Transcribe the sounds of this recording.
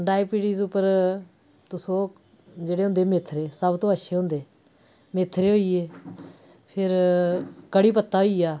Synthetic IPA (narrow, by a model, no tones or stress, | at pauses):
ɖaːipiːʈiːzʊpːəɾ | t̪ʊsõː | d͡ʒeːɽeːɦʊ̃nd̪eːmet̪ʰɾeːsəbt̪õːəʃʰeːɦʊ̃nd̪eː | met̪ʰːɾeːɦoːiːeː | pʰɪɾ | kəɽiːpət̪ːaːɦoiːaː